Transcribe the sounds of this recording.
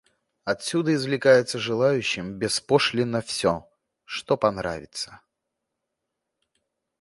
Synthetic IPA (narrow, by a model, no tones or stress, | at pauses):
ɐt̪sʲud̪əɪzvlʲɪkajɪt̪səʐɨlˠajʉɕːɪmbʲɪspoʂlʲɪnːəfsʲo | ʂt̪opɐnɾa̰vʲɪt̪sə̥